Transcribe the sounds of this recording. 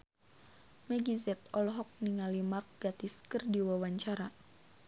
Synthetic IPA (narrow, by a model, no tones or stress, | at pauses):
mɛɡizɛt̪̚ɔlɦɔk̚niŋalimark̚ɡ̥at̪iskərdiwawaɲt͡ʃaɾa